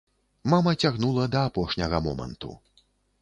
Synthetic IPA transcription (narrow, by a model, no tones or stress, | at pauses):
mamɐt͡sʲaɣnulˠɐd̪ɐːpɔʂnʲɐɣɐmɔ̰mɐ̰nt̪ṵ